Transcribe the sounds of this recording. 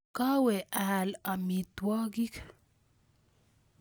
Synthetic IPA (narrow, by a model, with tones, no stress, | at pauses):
ka˦wɛ˨ʔa˨la˨mi˨t̪wɔ˦ɡi˦k